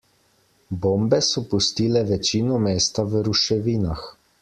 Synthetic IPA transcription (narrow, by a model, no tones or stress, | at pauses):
boːmbɛsɔpust̪iːlɛʋɛt͡ʃiːnɔmeːst̪aʋəɾuʃɛʋiːnax